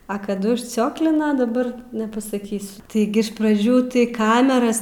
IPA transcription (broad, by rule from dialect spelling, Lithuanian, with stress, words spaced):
ɐ kɐˈdʊ ʊʃʲˈt͡sʲoːklʲɪnɐ dɐˈbɐr nʲɛpɐsɐˈkʲiːsʲʊ tɐɪˈɡʲɪ ɪʃ prɐˈd͡ʒʲuː tɐɪ ˈkɑːmʲɛrɐs